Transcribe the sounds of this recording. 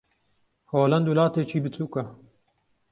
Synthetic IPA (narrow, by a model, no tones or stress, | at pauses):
hoːlɐnd̪uːlaːt̪eːt͡ʃʰiːbɨt͡suːkɐ